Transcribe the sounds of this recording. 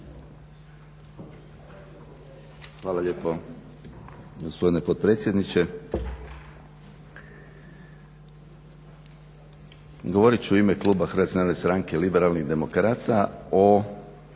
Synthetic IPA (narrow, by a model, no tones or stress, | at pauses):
xʋaːlaʎe̞ːpo̞ | ɡospo̞d̪ine̞pot̪̚pɾe̞t̪sje̞d̪nit͡ɕe̞ | ɡoʋoɾit͡ʃuimeklˠuːbaxɾʋat̪ʲnane̞st̪ɾaŋke̞libe̞ɾalniɣd̪e̞mo̞kɾaːt̪ao